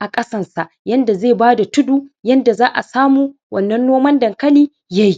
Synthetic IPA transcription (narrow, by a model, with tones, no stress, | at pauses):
ʔa˨kʼɐ˦sɐ˨nsa˨ʔjɐ˦nda˨zeː˦˨baː˦da˨tʊ˦duː˦jɐ˦nda˨zaː˦ʔa˨saː˦muː˦ | wʔɐ˦˨nːɐ˦nːoː˦mɐ˦ndɐ˨ŋkɐ˦liː˦ | ja˦ji˦